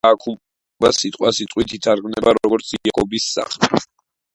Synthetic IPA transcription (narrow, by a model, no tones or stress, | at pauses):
kʰu | basit̪ʼqʼwasit̪ʼwit̪ʰit̪ʰaɾɡmnɛbaɾɔɡɔɾt̪sʰiɛkʼɔbisːa̰χlɛ